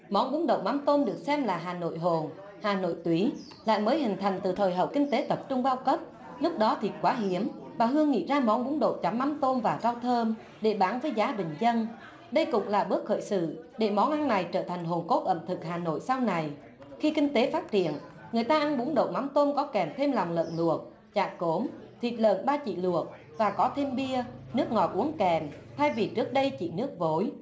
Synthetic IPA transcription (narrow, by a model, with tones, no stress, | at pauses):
mɔ˨˦nɓu˨˦əŋɗo̰˧˨wma˨˦mt̪o˧mɗɨ˨˩ək̚sɛ˧mlaː˨˩ɦaː˨˩no̰˧˨jɦo˨˩n | haː˨˩no̰˧˨jt̪wi˨˦ | la̰ː˧˨jməː˨˦jɦï˨˩ŋ̟t̪ʰa˨˩jŋ̟t̪ɨ˨˩t̪ʰəː˨˩jɦə̰˧˩w̚kï˧ŋ̟t̪e˨˦t̪ə˨˩p̚t͡ɕʊ˧ŋ͡mɓaː˧wkə˦˥p̚ | lʊ˦˥k͡p̚ɗɔ˨˦t̪ʰi˨˩kwaː˨˦ɦi˨˦əmɓaː˨˩ɦɨ˧əŋːḭ˧˨zaː˧mɔ˨˦nɓu˨˦ŋɗo̰˧˨t͡ɕa˨˩˦mːa˨˦mt̪o˧nvaː˨˩zaː˧wt̪ʰəː˧m | ɗe˧˩ɓaː˨˩nvəː˨˦jzaː˨˦ɓï˨˩ŋ̟zə˧n | ɗə˧jkʊ̰˧˥wŋ͡mlaː˨˩ɓɨ˦˥ək̚xə̰ː˧˨jsɨ̰˧˨ɗe˧˩mɔ˨˦nʔa˧nːa˨˩jt͡ɕəː˧˩t̪ʰa˨˩jŋ̟ɦo˨˩nko˦˥t̚ʔə˧˩mt̪ʰɨ˨˩k̚haː˨˩no̰˧˨jsa˧wna˨˩j | xi˧kï˧ŋ̟t̪e˨˦faː˦˥t̚t͡ɕḭ˧˨ən | ŋɨ˨˩əjt̪aː˧ʔa˧nɓu˨˦əŋɗo̰˧˨ma˨˦mt̪o˧nkɔ˨˦kɛ˨˩mt̪ʰe˧mla˨˩wŋ͡mlə̰ː˧˨nlu˨˩ək̚ | t͡ɕaː˨˩ko˨˦mt̪ʰwi˨˩t̚lə̰ː˧˨nɓaː˧t͡ɕḭ˧˨lu˨˩ək̚ | vaː˨˩kɔ˨˦t̪ʰe˧mɓi˧ənɨ˦˥ək̚ŋɔ˨˩t̚ʔu˨˦əŋkɛ˨˩mt̪ʰa˧jvi˨˩t͡ɕɨ˦˥ək̚ɗə˧jt͡ɕḭ˧˨nɨ˦˥ək̚vo˨˦j